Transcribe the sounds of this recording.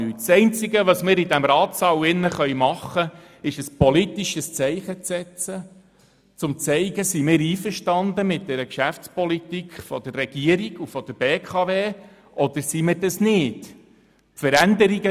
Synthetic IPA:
yːtsɛɪnt͡sɪɡəʋɑsmɪːɾid̪æmɾɑːt̪sɑwɪnːəχœʏmɑχːə | ɪʃəspɔlit̪iʃəst͡sɛɪχət͡sɛt͡sə | t͡sʊmt͡sɛɪɡəsimɪːɾiːfəɾʃtɑnd̪əmɪt̚d̥̪ɛɾəkʃæft͡spɔlit̪ikχfɔd̪̥ərːɛɡ̥iəɾiɡ̥ufɔd̥əɾb̥eːkʰɑveː | ʔɔd̪əɾsimɪɾdɑsnɪːt | tfəɾænd̪əɾiɡə

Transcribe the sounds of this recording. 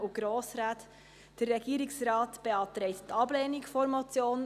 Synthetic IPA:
uɡ̥ɾoːsɾaːt̪ | d̥ərːɛɡ̥iːɾɪksɾɑːtb̥eɑtɾɛɪttːʰɑblɛːnikfɔɾmɔt͡sjoːn

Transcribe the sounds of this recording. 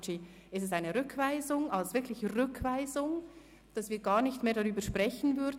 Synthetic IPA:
t͡ʃi | ʔɪstɛsaɪnəʁʏkʰv̥aɪzʊŋalsv̥ɪɐkʰlɪçəʁʏkʰv̥aɪzʊŋ | d̥asv̥iːɐɡaːɐnɪçtmeːɐdaʁyːbəɐʃpʁ̥ɛçən̩vʏɐd

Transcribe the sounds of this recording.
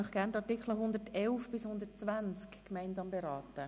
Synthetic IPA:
ɔχɡ̥æntɑrtɪkχləɦʊnd̪ətɛlfb̥ɪshʊnd̪ətt͡svænt͡skːmæɪnzɑːmbeɾɑːtə

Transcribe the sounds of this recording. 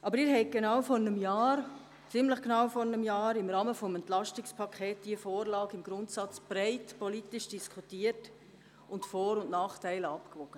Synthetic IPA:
ʔɑbəɾɪːɾhɛɪɡ̥enawfɔɾnəmjɑːɾ | t͡sɪmləχɡ̥nɑʊfɔɾnəmjɑːɾɪmɾɑːməfɔmɛntlɑʃtɪkspʰɑkʰɛːtd̥iəfoːɾlɑːɡɪmɡ̥ɾʊntsɑt͡sb̥ɾɛɪtpɔlitɪʃd̥iskχutiət | ʊntfoːɾʊnʔnɑːχtæɪləɑpkvɔɡ̥ə

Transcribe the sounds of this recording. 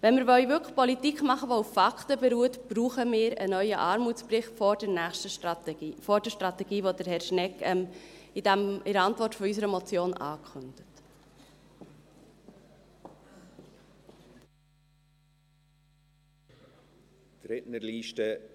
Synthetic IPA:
vɛnmɪɾvœʏvʏkə̥χpɔlitikχmɑχəʋoufːɑkχtəbeɾuːətb̥ɾuːχəmɪːɾə̰nœʏəʔɑːɾmuːtt͡ssprɪχtfɔd̥ɛɾnæːχʃtə | fɔɾdɛʃtɾɑt̪ɛɡ̥iːvodəɾhɛɾʃnɛkɛmɪd̥æmɪɾəɑntvɔrtfɔysəɾəmot͡sjoːnʔɑ̰ːkʰχʏnd̥ət | t̪ɾɪtnəɾliːʃtə

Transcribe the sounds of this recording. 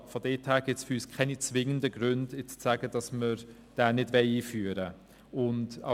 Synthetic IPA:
fɔdɛːthɛːɡ̥ɪtsfʏɾyːskʰɛnit͡svɪŋəndəɡ̥ɾʏndɪt͡st͡sæːɡ̥əd̥ɑsməɾ | d̥ɛːnɪdvɛɪiːfyːɾə | ʊnda̰

